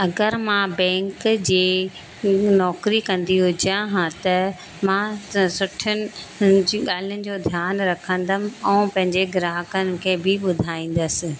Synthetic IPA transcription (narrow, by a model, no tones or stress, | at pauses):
ɐɡəɾmãbɛ̃ːŋkd͡ʑeː | nɔːkɾikɐ̃nd̪iɦʊd͡ʑãɦãt̪ɐ | mãsʊʈʰʊnɪ̆ | ɠaːl̤ijʊnɪ̆d͡ʑoːd̪ʱjaːnɾɐkʰə̃nd̪əmɪ̆ɛ̃ːpɐ̃ɦɪ̃ɲd͡ʑeɡɪɾaːɦkənɪ̆kʰeːbʱɪɓʊd̪ʱaːĩːn̆d̪əsɪ̆